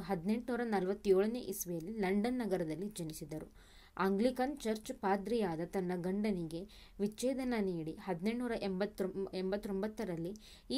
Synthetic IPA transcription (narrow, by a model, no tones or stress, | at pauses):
ɦɐd̪ne̞ɳʈnuːɾɐnɐlʋɐt̪ːjoːɭɐnḛʔisʋɐjɐlːilɐɳɖɐnːɐɡɐɾɐd̪ɐlːid͡ʒɐnisid̪ɐɾu | aːŋɡɭikɐnt͡ʃɐɾt͡ʃpaːd̪ɾijaːd̪ɐt̪ɐnːɐɡɐɳɖɐniɡe̞ | ʋit͡ʃːɛːd̪ɐnɐniːɽihɐd̪ineɳʈnuːɾɐʔembɐt̪ːembɐt̪ːombɐt̪ːɐɾɐlːi | i